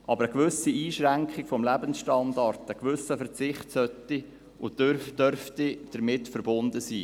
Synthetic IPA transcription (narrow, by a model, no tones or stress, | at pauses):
ʔɑbəɾəkʋʏsiiːʃɾæŋkχɪkfɔmlæbənsʃtɑndɑrtəkʋʏsəfəɾt͡sɪχtsœtːi | ʊdd̥œɾftid̥əɾmɪtfəɾbʊnd̥əsiː